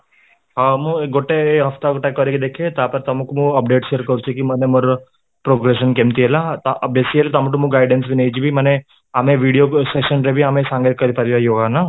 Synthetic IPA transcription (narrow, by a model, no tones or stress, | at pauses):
ɦãmueɡʱoʈeeɦɐft̪aɡoʈakəɾekid̪ekʰet̪apəɾt̪ɐmukmuəpɖeːʈʃeəɾkəɾut͡ʃʰekiməneməɾ | pɾoɡɾeʃ̬ənkemt̪ielat̪abesielet̪̬amuʈ̬umuɡaɪɖensbʱinejd͡ʒibʱiməne | amẽʋiɽijoseʃənɾebʱiamẽsãŋɡekəɾipaɾiajoːɡana